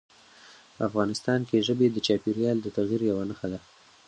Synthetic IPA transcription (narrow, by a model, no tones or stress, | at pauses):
pəafɣɑnɪst̪ɑnkeʒəbed̪ət͡ʃɑpiɾjɑld̪ət̪aɣjiɾjawanəxad̪a